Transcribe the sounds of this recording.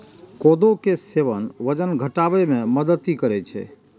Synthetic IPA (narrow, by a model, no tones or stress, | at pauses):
kod̪okeseʋənʋəd͡ʒənɡʱəʈaʋemẽməd̪ət̪ːikəɾɛt͡ʃʰɛ̰